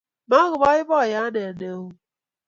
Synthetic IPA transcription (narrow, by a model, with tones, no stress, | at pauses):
ma˦ɣʊ˨bɔ˦ɪ˦bɔ˦˨ja˦ne˨ne˨˦wu˦